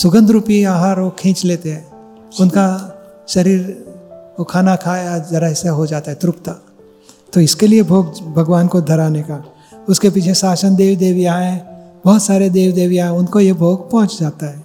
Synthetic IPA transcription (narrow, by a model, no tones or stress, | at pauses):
sʊɡə̃nd̪ɾuːpiaːɦaːɾokʰẽːt͡ʃleːt̪eɦɛ̃ː | ʊnka | ʃɐɾiːɾ | okʰaːnakʰaːjad͡ʒɐɾəɦseɦod͡ʒaːt̪aɦɛt̪ɾʊpt̪a | t̪oɪskeliebʱoːɡbʱɐɡʋwaːnkod̪ʱɐɾaːneka | ʊskepiːt͡ʃʰesaːsənd̪eːwd̪eːʋijaɦɛ̃b̥ɔɦʊt̪saːɾed̪eːwd̪eːwjaɦɛ̃ʊnkojebʱoːɡpɔ̃ːʊ̃t͡ʃd͡ʒaːt̪aɦɛː